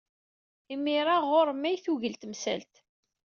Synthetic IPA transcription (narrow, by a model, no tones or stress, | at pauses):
imːiɾˤaʁoɾmːæjθuʝəlt̪msæ̰lt̪